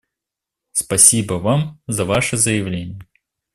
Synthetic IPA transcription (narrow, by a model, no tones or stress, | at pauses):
spɐsʲibəvamzɐvaʂɨzəjɪvlʲenʲɪjə